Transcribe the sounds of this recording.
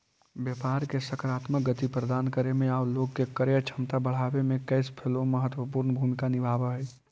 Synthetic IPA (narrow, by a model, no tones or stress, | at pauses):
bjəpaːɾkesəkɾaːt̪mək̚ɡət̪ipɾəd̪aːnkəɾemẽaːwloːɡ̚kekəɾjət͡ʃʰəmt̪abəɽ̤aːbemẽkəɪspʰelõməɦət̪wəpuːɾnbʱuːmɪkanɪbʱaːbəɦɛː